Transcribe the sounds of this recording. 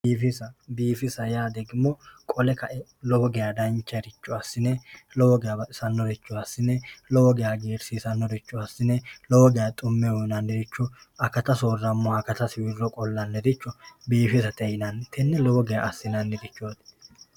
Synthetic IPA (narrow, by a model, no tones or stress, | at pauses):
biːfɪsɐbiːfɪsɐjaːd̪ɛɡɪmːɔkʼɔlɛkɐʔɛlɔbɔɡɛjad̪ɐnt͡ʃːɐɾɪt͡ʃːɔɐsːɪnɛlɔwɔɡɛjabɐt̪ʼɪsɐnːɔɾɪt͡ʃːɔɐsːɪnɛlɔwɔɡɛjaɡeːɾsiːsɐnːɔɾɪt͡ʃːʊɐsːɪnɛlɔwɔɡɛjat̪ʼʊmːɛwɔnɐnːɪɾɪt͡ʃːɔɐkɐt̪ɐsoːrːɐmːɔɐkɐt̪ɐsɪwɪrːɔkʼɔlːɐnːɛɾɪt͡ʃːɔbiːfɪsɐt̪ɛjɪnɐnt̪ʰɛnːɛlɔbɔɡɛja̰ʔɐsːɪnɐnːɪɾɪt͡ʃːoːt̪